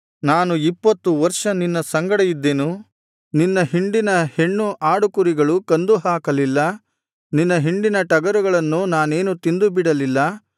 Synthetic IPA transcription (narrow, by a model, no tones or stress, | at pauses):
naːnuipːɐt̪ːuʋɐɾʂɐninːɐsɐŋɡɐɽɐjid̪ːenu | ninːɐɦiɳɖinɐhe̞ɳːuʔaːɽukuɾiɡɐɭukɐnd̪uɦaːkɐlilːɐ | ninːɐɦiɳɖinɐʈɐɡɐɾuɡɐɭɐnːunaːne̞ːnut̪ind̪ubiɽɐlilːɐ